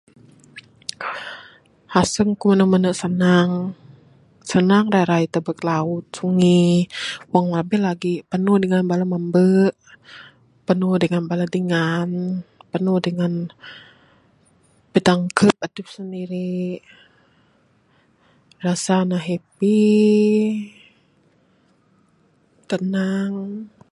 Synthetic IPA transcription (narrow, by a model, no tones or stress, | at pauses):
hasəŋkumənəmənəʔsənaŋ | sənaŋɾaɾait̪əbəklaʊt̪̚suŋi | waŋlabɛlaɡipənuhdəŋanbalamambəʔ | pənudəŋanbaladiŋanpənudəŋan | bədaŋkʰəp̚adəp̚səndiɾi | rasanaɦep̚i | t̪ənaŋ